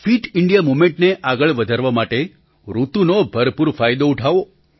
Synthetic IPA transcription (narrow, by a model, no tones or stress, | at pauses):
fʰiʈiɳɖijamumẽɳʈneʔaɡəɭʋəd̪ʱəɾʋamaʈe | ɾut̪unobʱəɾpuɾfʰajd̪ouʈʰaʋo